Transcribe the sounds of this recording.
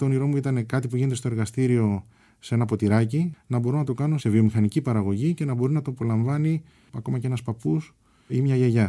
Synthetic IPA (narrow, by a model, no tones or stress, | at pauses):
t̪o̞niɾo̞muit̪ɐne̞kɐt̪ipuʝinet̪est̪o̞e̞ɾɣɐst̪iɾio̞ | see̞nɐpo̞t̪iɾɐcinɐbo̞ɾo̞nɐt̪o̞kɐno̞se̞vio̞mixɐnicipɐɾɐɣo̞ʝice̞nɐbo̞ɾinɐt̪opo̞lɐɱvɐni | ɐko̞mɐcee̞nɐspɐpus | imɲɐʝeʝɐ